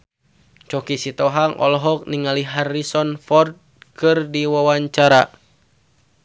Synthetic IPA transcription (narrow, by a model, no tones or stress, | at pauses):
t͡ʃɔkisit̪ɔɦaŋʔɔ̰lɔɦɔk̚niŋaliɦarːisɔnfɔrd̪̚kɨrdiwawaɲt͡ʃaɾa